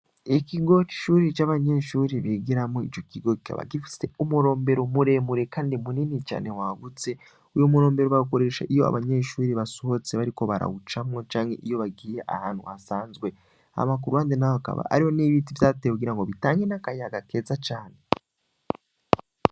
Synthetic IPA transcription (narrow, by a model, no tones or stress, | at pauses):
ikiɡo̞ki̥ʃuːɾit͡ʃaːβaɲe̞ʃuːɾiβiɡiɾamŋoit͡ʃo̞kiɡo̞ki̥kʰa̰βa̰ɡifi̥se̞umuɾo̞ːmbe̞ɾomuɾe̞muɾe̞kaːndimuninit͡ʃa̰ːne̞waːɡut͡se̞ | ujomuɾo̞ːmbe̞ɾoβaɡukoɾe̞ʃaʔijo̞a̰βaɲe̞ʃuːɾiβasoho̞t͡se̞βaɾiko̞βaɾa̰ɡut͡ʃamŋo̞t͡ʃaːŋheʔijo̞βaɡiːjeʔa̰haːn̥hṵasaːnzɡwe̞ | a̰mak̬uɾuhandenaoka̰βa̰a̰ɾiho̞niβiːtivzatekuɡiɾaŋɡo̞βitaːŋɡenakajaɡake̞ːzat͡ʃaːne̞